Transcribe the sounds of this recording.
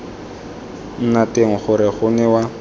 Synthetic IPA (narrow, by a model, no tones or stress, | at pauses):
n̩nateŋ̩χʊɾɪχʊnɛwa